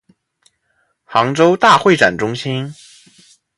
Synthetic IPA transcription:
xɑ˧˥ŋʈ͡ʂo˥ʊt̪a˥˧xwe˥˩ɪʈ͡ʂa̰˨˩nʈ͡ʂʊ˥ŋɕi˥n

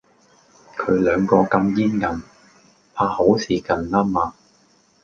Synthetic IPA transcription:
kʰɵ˨˧ɥlœː˨˧ŋkɔː˧kɐ˧mjiː˥nkɐ˨˧m | pʰaː˧ho˨˥wsʰiː˨kɐ˨˧nlaː˥maː˧

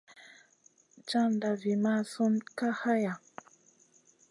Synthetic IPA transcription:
t͡ʃa˦nda˨vi˨ma˦˨su˦nka˦ha˦ja˨

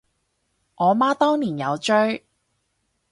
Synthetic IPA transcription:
ʔɔː˨˧maː˥t̪ɔː˥ŋniː˨˩njɐ˨˧wt͡ʃɵ˥ɥ

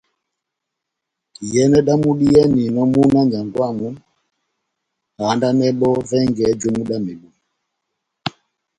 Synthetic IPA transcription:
jɛ˦nɛ˦ɗa˦mu˦ɗi˦jɛ˦ni˨nɔ˦mu˦na˦ɲa˨ŋɡwa˦˨mu˨˦ | ha˨˦nda˦nɛ˦ɓɔ˦vɛ˦ŋɡɛ˨˦d͡ʒɔ˦mu˦ɗa˦mɛ˨ɓu˨

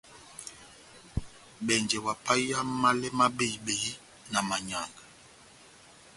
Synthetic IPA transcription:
ɓɛ˨nd͡ʒɛ˨wa˨pa˦ja˦mː˦a˦lɛ˦ma˦be˦˨ɓe˨ji˦ | na˨ma˨ɲa˨ŋɡa˨

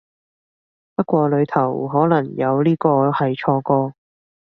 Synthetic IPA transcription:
pɐ˥kʷɔː˧lɵ˨˧ɥt̪ʰɐ˨˩wɦɔː˨˥lɐ˨˩ŋjɐ˨˧wliː˥kɔː˧hɐ˨jt͡ʃʰɔː˧kɔː˧

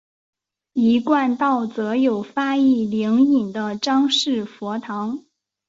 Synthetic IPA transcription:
i˧˥kwa˥˧nt̪ɑ˥˩ʊt͡sɤ˧˥jo˨˩ʊfa˥i˥˩li˧˥ŋi˨˩nd̪ə˦ʈ͡ʂɑ˥ŋʂɻ̩˥˩fwɔ˧˥t̪ʰɑ˧˥ŋ

